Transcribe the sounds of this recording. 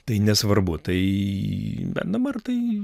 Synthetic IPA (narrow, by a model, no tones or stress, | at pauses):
t̪ɐɪnʲɛsʋɐrbʊt̪ɐɪ | bʲɛ̰t̪̚d̪ɐbɐrt̪ɐɪ